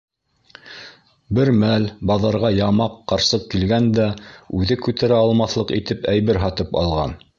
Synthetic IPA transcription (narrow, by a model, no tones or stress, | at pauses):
bɘɾmælbɑðɑɾʁɑjɑmɑqːɑɾsɤq̚kilɡænd̪æʉðɘkʉt̪æɾæɑlˠmɑθlˠɤqit̪ɘpæjβɘɾɦɑt̪ɤpɑ̰lˠʁɑ̰n